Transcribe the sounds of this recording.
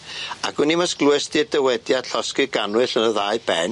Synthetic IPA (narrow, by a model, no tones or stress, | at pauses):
akʰɨnimasɡluɛstiədɛwɛdjad̥ɬɔskɨɡanwɨɬənəðaːɨbɛn